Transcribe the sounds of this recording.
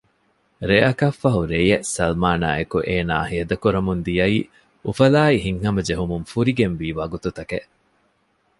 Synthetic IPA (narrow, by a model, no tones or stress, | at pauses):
ɾeʔɐkɐfːɐɦuɾejesɐlmaːna̰ːekuʔeːna̰ːhiɐd̪ɐkuɾɐmund̪ijɐiː | ufɐlaːiɦiŋhɐmɐd͡ʒeɦumunfuɾiɡenʋiːʋɐɡut̪ut̪ɐkeʔ